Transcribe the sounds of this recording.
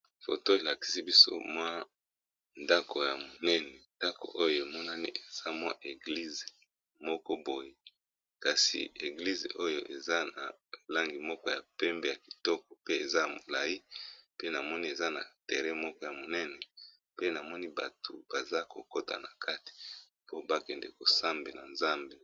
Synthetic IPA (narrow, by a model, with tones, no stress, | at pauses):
fo̰˨to˦e˨la˨ki̥˦si˦bi˦so̰˦mwa˦ | nda˦kʰo˨ja˨mo˨nɛ˦nɛ˨nda˦ko̰˨ʔo˦jo˦˨e˨mɔ˦na˦ni˦e˨z̥a˦mwa̰˦ʔe˨ɡli˦ze˨ | mɔ˦kɔ˦bo˨je˦ | ka˨sḭ˨e˨ɡli˦zḛ˨ʔo˦jo˦ʔe˨za˦na̰˨ | la˦ŋɡi˨mɔ˦kɔ˦ja˨pɛ˦mbe˨ja˨ki̥˨tɔ˦k̚ɔ˨pe˦e˨za˦ja˨mo˨la˨ji˦pe˦na˨mɔ˦ni˦e˨za˦na̰˨te˨ʁɛ˦mɔ˦kɔ˦ja˨mo˨nɛ˦nɛ˨ | pe˦na˨mɔ˦ni˦ba̰˨tʰo˨b̥a˨za˦ko̰˨ko˦ta̰˨na˨kʰa˦ti̥˨ | po˦ba˦kɛ˨nde˨ko˨sa˦mbe˨na˨nza˦mbe˨